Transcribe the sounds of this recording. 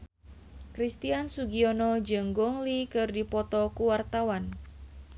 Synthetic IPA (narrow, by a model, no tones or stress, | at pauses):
kɾist̪iansuɡiɔnɔd͡ʒəŋɡɔŋlikɨrdipɔt̪ɔkuwart̪awan